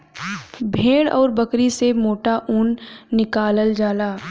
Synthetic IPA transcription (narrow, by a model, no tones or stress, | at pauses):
bʱeːɽɔ̰ːɾbɐkɾisemoːʈaʔuːnːɪkaːləld͡ʒaːlaː